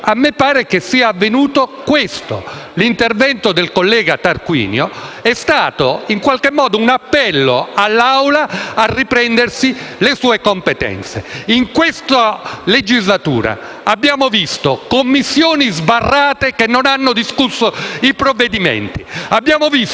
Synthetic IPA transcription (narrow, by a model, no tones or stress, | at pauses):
amːepːaːɾekesːiːaːvːenuːt̪okwest̪o̰lint̪ervɛnt̪od̪elkolːɛːɡat̪arkwḭːnjoɛst̪aːt̪oiŋkwalkemːɔːd̪ounapːɛlːo̰alːawlaarːipɾɛnd̪ersilesuːekompet̪ɛ̰nt̪sḛiŋkwest̪aled͡ʒizlat̪ṵːɾa̰ | abːjaːmovist̪okomːisːjoːnizbarːaːt̪ekenːonanːod̪iskusːoipɾovːed̪imḛnt̪iabːjaːmovis